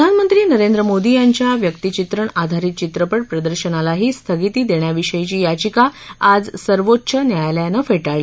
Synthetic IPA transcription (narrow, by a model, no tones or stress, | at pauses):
əd̪ʱanmənt̪ɾiːnəɾend̪ɾəmod̪ijaɲt͡ɕjaʋjəkt̪it͡ɕit̪ɾəɳad̪ʱaɾiːt̪̚t͡ɕit̪ɾəpəʈ̚pɾəd̪əɾɕənalaɦiːst̪ʰəɡit̪iːd̪eɳjaʋiɕəjit͡ɕiːjat͡ɕikaad͡zsəɾʋotːɕʰənjajljanəfeʈaɭi